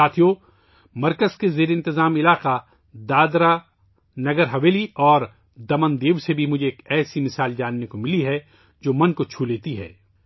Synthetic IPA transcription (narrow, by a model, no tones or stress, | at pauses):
aːt̪ʰijo | mɐɾkəzkezeːɾeɪ̃nt̪ɪzaːmɪlaːqa | d̪aːd̪ɾa | nɐɡəɾɦɐʋeːliɔːɾ | d̪ɐmə̃nd̪eːʋsebʱimʊd͡ʒʱeːkɛːsimɪsaːld͡ʒaːnːekomɪliɦɛ | d͡ʒoːmɐ̃nkot͡ʃʰuːleːt̪iɦɛ̰ː